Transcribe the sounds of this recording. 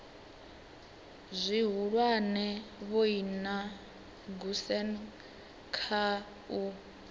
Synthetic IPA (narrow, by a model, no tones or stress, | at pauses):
zʷiɦuɺwanɛβoina | ɡusɛn | kʰa | u